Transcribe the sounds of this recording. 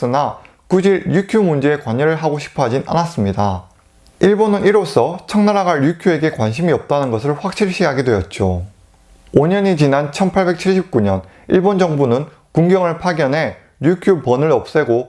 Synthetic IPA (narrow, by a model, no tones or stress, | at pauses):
s͈ɯna | kud͡ʑiɾjukʰjumund͡ʑe̞ːkwaɲʌɾɯɭɦaɡoɕʰi̥pʰʌɦad͡ʑinʔa̰nas͈ɯmɲida | iɭbonɯniɾosʰʌt͡ɕʰʌŋnaɾaɡaɭjukʰjue̞ɡe̞kwanɕʰimiʌp̚t͈anɯnɡʌs̬ʰɯɭɸwak̚ɕ͈iɭɕ͈ʰiɦaɡidwe̞jʌt̚t͡ɕ͈o | oɲʌɲit͡ɕinant͡ɕʰʌnpʰaɭbe̞k̚t͡ɕʰiɭɕ̬ʰip̚k͈uɲʌn | iɭbond͡ʑʌŋbunɯn | kuŋɡjʌŋɯɭpʰaɡjʌnɦe̞ | ɾjukʰjupʌnɯɾʌp̚s͈e̞ɡo